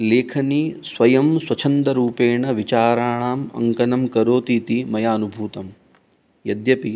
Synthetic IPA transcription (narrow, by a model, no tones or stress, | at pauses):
leːkʰɐniːsʋɐjɐmswɐt͡ʃʰɐnd̪ɐɾuːpeːɳɐʋit͡ʃaːɾaːɳaːmɐ̰ŋkɐnɐmkɐɾoːt̪iːt̪imɐjaːnubʱuːt̪ɐm | jɐd̪jɐpi